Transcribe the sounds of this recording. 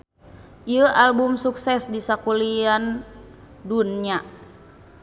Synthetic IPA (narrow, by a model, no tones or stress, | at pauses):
ʔiəʔalbumsuksɛsdisakulian | dunɲa